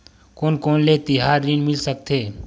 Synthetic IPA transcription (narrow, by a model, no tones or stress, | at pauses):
koːnkoːnlet̪ɪɦaːɾːinmɪlsək̚t̪ʰeː